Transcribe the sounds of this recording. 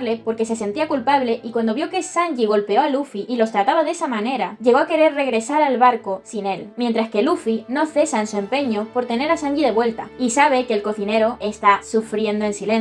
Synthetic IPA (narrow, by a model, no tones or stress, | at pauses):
le̞po̞ɾke̞se̞se̞nt̪iakulpaβle̞ʔikwand̪o̞βjo̞ke̞saŋʝiɣ̞o̞lpe̞o̞alufiʔːlo̞st̪ɾat̪aβaðe̞samãne̞ɾaʝe̞ɣoake̞ɾe̞ɾre̞ɣ̞ɾe̞saɾalβaɾko̞sine̞lmje̞nt̪ɾaske̞lufino̞θe̞saensue̞mpe̞ɲo̞po̞ɾt̪e̞ne̞ɾasaŋɡiðe̞βwe̞lt̪a̰isaβ̞e̞keːlko̞θine̞ɾo̞ʔe̞st̪asufɾje̞nd̪oe̞nsilen